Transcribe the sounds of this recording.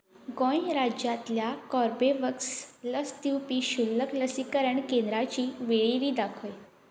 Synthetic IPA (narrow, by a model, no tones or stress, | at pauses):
ɡɔ̃jɾad͡ʑjat̪ljakɔɾbeʋəksləst̪iwpiːɕulːəkləsikəɾəɳkend̪ɾat͡ɕiːʋeɭiɾiːd̪akʰoj